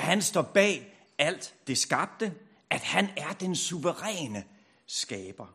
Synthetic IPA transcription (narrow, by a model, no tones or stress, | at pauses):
hænsd̥ɒ̰ːb̥ɛ̰ː | æl̰d̥ːe̝sɡ̥ɑ̈b̥̚d̥ə | æd̥hænæɐd̥ensuʋəʁɛ̰ːnə | sɡ̥ɛːb̥ɐ